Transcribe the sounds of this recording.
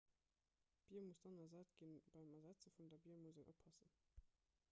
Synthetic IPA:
b̥iːɐmusd̥ɑnɐɐzæːtɡ̥inb̥ɑɪmɛzæt͡səfundɛɐbiːɐmuzenʔopʰːɑsən

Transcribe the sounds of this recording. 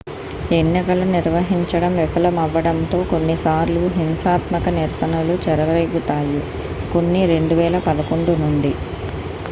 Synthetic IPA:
enːikɐluniɾʋɐɦiɲt͡ʃɐɽɐmʋifʰɐlɐmɐʋːɐɽɐnt̪o̞ːko̞nːisaːɾluɦinsaːt̪mɐkɐniɾsɐnulut͡ʃɛɾɐɾʋejɡut̪aːji | ko̞nːiɾe̞ɳɖuʋɛːlɐpɐd̪ɐko̞ɳɖunuɳɖi

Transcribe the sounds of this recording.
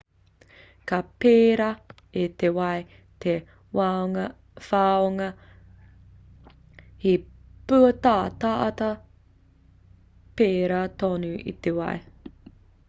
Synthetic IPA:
kapeːɾɐ | et̪ewɐj | t̪ʰe | waoŋɐ | faːoŋɐ | hipʉɐt̪aːt̪aʔɐt̪ɐ | peːɾat̪oːnuʔḭt̪ewɐ̰j

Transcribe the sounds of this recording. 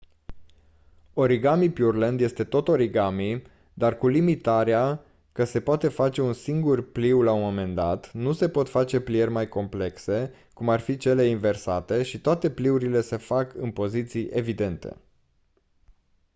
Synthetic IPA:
o̞ɾiɡamipjurlend̪je̞st̪e̞t̪o̞t̪o̞ɾiɡami | d̪arkulimit̪aɾea | kəse̞poat̪e̞fat͡ʃe̞unsiŋɡurpliwlaumo̞me̞nd̪a̰t̪nuse̞po̞t̪fat͡ʃe̞plierʲmajko̞mple̞kse̞ | kumarfit͡ʃe̞le̞inve̞rsat̪e̞ʃit̪oat̪e̞pliuɾile̞se̞fakɨnpo̞zit̪sijʔe̞vid̪e̞nt̪e̞̰

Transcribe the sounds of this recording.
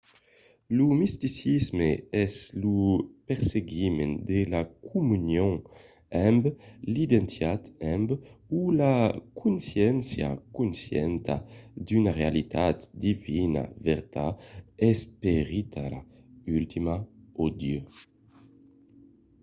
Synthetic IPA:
lumist̪isizmeɛslupeɾseɡimend̪elakʰumynjõŋ | ɛmblid̪ent̪jat̪ɛmbulakʰunsjɛnsja̰kunsjɛ̰nt̪a̰d̪ynaʁealit̪ʰat̪d̪ivina̰veɾt̪aɛspeʁit̪ʰaɾa̰ | ylt̪ʰimaod̪jø

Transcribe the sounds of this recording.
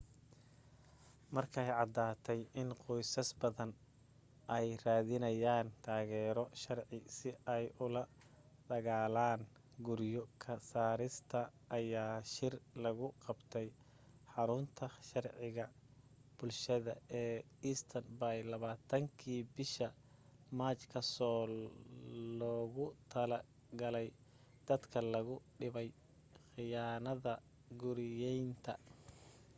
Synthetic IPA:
mɐrkʰɛjʕɑd̪aːt̪ʰɛjɪnqɔjsɐsbɐðɐn | ʔɛjraːðɪnɐjaːnt̪ʰaːɣɛːɾɔʃɑrʕɪsɪʔɛjʔʊlɐ | d̪ɐɣaːlaːn | ɡʊɾjɔkʰɐsaːɾɪst̪ʰɐʔːjaːʃɪrlɐɣʊqɑbt̪ʰɛj | ħɑɾʊnt̪ʰɐʃɑrʕɪɣɐb̥ʊlʃɐðɐɛː | iːst̪ʰɐnbajlɐβaːt̪ʰɐŋkʰiːbɪʃɐ | maːt͡ʃkʰɐsɔː | lɔːɣʊt̪ʰɐlɐ | ɡɐlɛj | d̪̥ɐd̪kʰɐlɐɣʊɖɪβɛj | xɪjaːnɐðɐ | ɡʊɾjɛjnt̪ʰɐ

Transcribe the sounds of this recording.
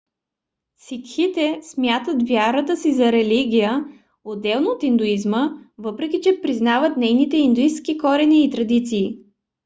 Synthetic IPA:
sikxit̪ɛsmʲjat̪ət̪vjaɾət̪əsizɐɾɛliɡʲijə | od̪ːɛlˠnoot̪ind̪uizməvɤpɾɛkʲit͡ʃɛpɾiznavət̪nɛjnit̪ɛind̪uist̪kikɔɾɛniːt̪ɾɐd̪it̪siː

